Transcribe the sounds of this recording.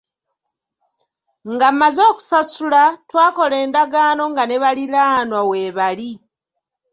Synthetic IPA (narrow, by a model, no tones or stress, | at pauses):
ŋɡamːazo̞ːku̥sasulatwaːko̞le̞ːndaɡaːno̞ŋɡane̞βalilaːnwaweːβali